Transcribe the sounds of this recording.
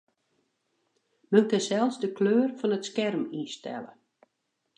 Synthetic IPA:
mənkənsɛlˠfsdəkløːrfɔnətskɛrmistɛ̰lə̰

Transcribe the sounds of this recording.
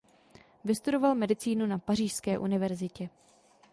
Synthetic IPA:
vɪst̪udo̞valmɛdɪt͡siːnunapariːʃskɛːʔunɪvɛɾzɪcɛ

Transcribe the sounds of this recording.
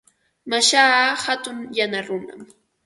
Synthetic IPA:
maʃaːhat̪ʊŋjanaɾʊna̰m

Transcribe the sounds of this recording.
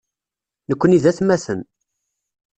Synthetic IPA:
nəkʷːəniðæθmæsən

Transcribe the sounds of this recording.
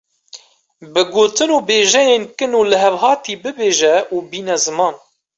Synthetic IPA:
bɨɡoːt̪ɨnoːbeːʒɛjeːnkɨnuːlɨɦɛvhɑːt̪ʰiːbɨbeːʒɛuːbiːnɛzɨmɑːn

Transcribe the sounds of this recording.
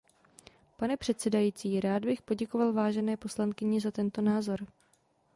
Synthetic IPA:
panɛpr̝̥ɛt̪sɛdajiːt͡siːɾaːd̪bɪxpo̞ɟɛkovalvaːʒɛnɛːpo̞slankɪɲɪzat̪ɛnt̪o̞naːzo̞ɾ

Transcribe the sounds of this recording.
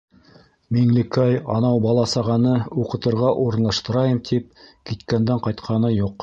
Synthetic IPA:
miŋlɘkæjɑ̰nɑwbɑlˠɑsɑʁɑnɤuqɤ̆t̪ɤ̆ɾʁɑʔuɾɤ̆nlˠɑʃt̪ɤ̆ɾɑjɤmt̪ʰip̚kit̪kænd̪æɴqɑjt̪qʰɑnɤjuq

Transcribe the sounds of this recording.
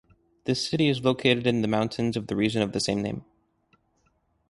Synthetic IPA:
ðɪsɪɾiɨzloʊkʰeɪɾɨɾɨ̃nðɨmãʊ̃ntʰɨ̃nzʌvðɨɹid͡ʒɨ̃nʌvðɨsẽɪ̃mnẽɪ̃m

